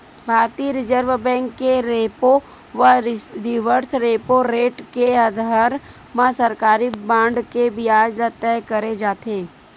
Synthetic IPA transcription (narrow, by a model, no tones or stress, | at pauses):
bʱaːɾt̪iɾɪd͡ʒəɾʋbɛ̃ːŋkːeɾeːpo | ʋəɾɪʋəɾsɾeːpoɾeːʈkeɐd̪ʱaːɾ | mãsɐɾkaːɾibãːɳɖkebʱiaːd͡ʒlat̪ɛːkɐɾed͡ʒaːt̪eː